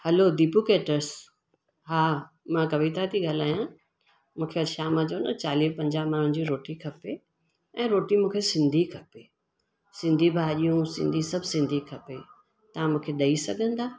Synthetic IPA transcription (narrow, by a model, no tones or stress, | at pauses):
hɐlod̪ipukeːʈəɾs | ɦaː | mãkɐʋit̪at̪ʰiɠaːl̤aːjã | mũːkʰeɐʃaːmãt͡ɕɐːnət͡ɕaːliːpɐ̃ɲd͡ʑamaːɾʊ̃ñ̆d͡ʑiɾoːʈikʰɐpe | ɛ̃ːɾoːʈimũːkʰesɪ̃nd̪ʱikʰɐpe | sɪ̃nd̪ʱibʱaːɦʄijũsɪ̰̃nd̪ʱisɐbʱsɪ̃nd̪ʱikʰɐpe | t̪ɐãmũːkʰeɗɐisɐɡʱə̃nd̪aː